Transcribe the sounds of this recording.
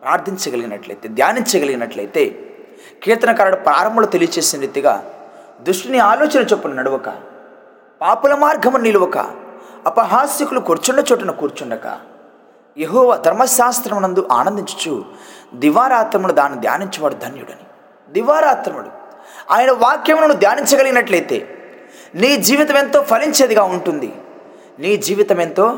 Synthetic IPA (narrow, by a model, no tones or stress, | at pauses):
pɾaːɾt̪ʰiɲt͡ʃɐɡɐliɡinɐʈlɐ̰jt̪e̞ːd̪jaːniɲt͡ʃɐɡɐliɡinɐʈlɐ̰jt̪e̞ː | kiːɾt̪ɐnɐkaɾɐɽɐpɾaːɾɐmbʱɐlot̪elijɐt͡ʃeːsinɐd̪it̪ːiɡa̰ː | d̪ɾuʂʈiniaːloːt͡ʃɐnɐt͡ʃepːunɐnɐɽuʋɐkɐ̰ | paːpulɐmaːɾɡʱɐmɐniluʋɐkɐ̰ɐpɐɦaːsikulukoɾt͡ʃuɳɖɐt͡ʃoːʈɐnɐkuːɾt͡ʃuɳɖɐkɐ̰ | jeɦɔːʋaːd̪ʱɐɾmɐʃaːst̪ɾɐmunɐnd̪uʔa̰ːnɐnd̪iɲt͡ʃu̥t͡ʃṵd̪iʋaːɾaːt̪ɾɐmuɽud̪aːnːid̪ja̰ːniɲt͡ʃɐʋaːɽud̪ʱɐnjuɽɐni | d̪iʋaːɾaːt̪ɾɐmuɽṵ | a̰ːjɐnɐʋaːkjɐmnɐnud̪jaːniɲt͡ʃɐɡɐliɡinɐʈlɐjt̪e̞̰ː | niːd͡ʒiːʋit̪ɐme̞nt̪o̞ːpʰɐliɲt͡ʃeːd̪iɡaːuɳʈund̪ḭ | niːd͡ʒiːʋit̪ɐment̪o̞ː